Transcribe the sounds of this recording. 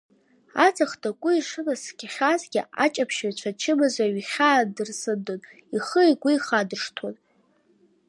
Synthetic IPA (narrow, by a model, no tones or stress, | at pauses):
at͡sʰʼaχtʰʼakʷʼʊiʂɨmasɡʲaχʲazɡʲɪ̰a̰t͡ʃʼapʰʃat͡ɕʷʰat͡ʃʰɪmɨzaɥχʲaːdɨrsɨdon | iχəikʷʼiiχadɨʂtʰan